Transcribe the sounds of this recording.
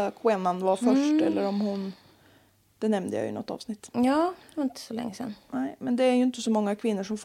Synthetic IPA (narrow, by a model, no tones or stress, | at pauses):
kʰweːnanʋɑɾfœʂʈɛlːəɾɔmhʊn | d̪̥ɛnɛmnə̰ja̰j̰nɔ̰t̪ːɑ̰ːʋsnɪt̪ːjɑːd̪aɪnt̪ə̥sɔlɛ̰ŋːəsɛ̰nːnæɪmɛnd̪ɛæɾjɵɪnt̪ːəsɔmɔŋːakʰʋɪnːʊʂɔmf